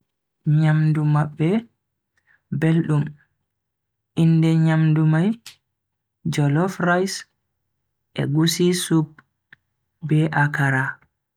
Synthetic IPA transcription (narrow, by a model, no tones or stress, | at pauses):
ɲamdumaɓːɛ | belɗum | ʔindɛɲamdumaj | d͡ʒɔlɔfɾajs | ʔɛ̰ɡusisub | bɛʔakaɾa